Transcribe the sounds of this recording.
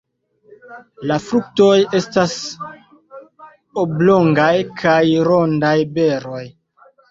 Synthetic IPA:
lafɾuk̚to̞je̞stas | oblo̞ŋɡajkʰajɾo̞ndajbe̞ɾo̞j

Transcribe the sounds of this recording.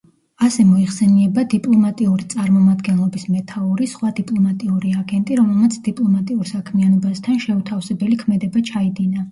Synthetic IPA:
asɛmɔiχsɛniɛbad̪ipʼlˠɔmat̪ʼiuɾit̪sʼaɾmɔmad̪ɡɛnlˠɔbismɛt̪ʰauɾisχwad̪ipʼlˠɔmat̪ʼiuɾiaɡɛnt̪ʼiɾɔmɛlˠmat̪sʰd̪̥ipʼlˠɔmat̪ʼiuɾsakʰmianɔbast̪ʰanʃɛut̪ʰafsɛbɛlikʰmɛd̪ɛbat͡ʃʰaid̪ina

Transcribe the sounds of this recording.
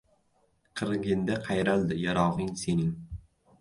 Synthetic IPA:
qʰɨɾɡʲɪnd̪aqʰɑjɾalˠd̪ɪjaɾɒʁɪŋsenɪŋ

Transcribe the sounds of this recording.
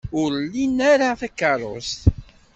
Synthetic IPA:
ʊɾlːinːaɾaθækːɑrˤo̰st̪

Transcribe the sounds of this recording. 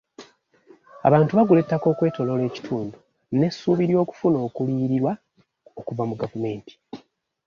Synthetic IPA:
a̰βaːntuβaɡule̞tːako̞ːkwe̞ːto̞lo̞le̞ːci̥tʰuːndu | ne̞sːuːβiɾjo̞ːku̥funo̞ːkuliːɾiɾwa | okuvamuɡavume̞ːnti̥

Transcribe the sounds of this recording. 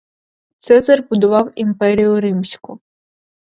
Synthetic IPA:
t̪sɛzɐrbʊd̪ʊʋɑwimpɛɾʲijʊɾɪmsʲkʊ

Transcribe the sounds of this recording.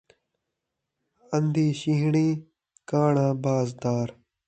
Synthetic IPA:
ənd̪iːʃiːɦɳiː | kaːɳãːbaːzd̪aːɾ

